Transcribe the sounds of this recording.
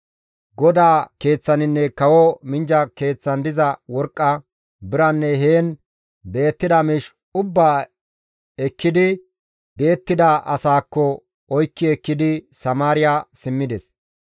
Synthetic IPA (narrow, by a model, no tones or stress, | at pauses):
ɡɔd̪aːke̞ːt͡sːɐnɪnːɛkɐwɔmɪnd͡ʒɐke̞ːt͡sːɐnd̪ɪzɐwɔɾkʼːɐ | bɪɾɐnːɛɦe̞ːn | be̞ːt̪ːɪd̪ɐmɪʃ | ʊbːaː | ɛkːɪd̪ɪ | be̞ːt̪ːɪd̪ɐʔɐsaːkːɔ | ɔjkːɪɛkːɪd̪ɪsɐmaːɾɪjasɪmːɪd̪ɛs